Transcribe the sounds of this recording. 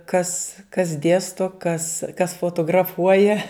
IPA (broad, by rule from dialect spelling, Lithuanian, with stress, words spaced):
kɐs kɐs ˈdʲeːstoː kɐs kɐs foːtoːɡrɐˈfuɔjɛ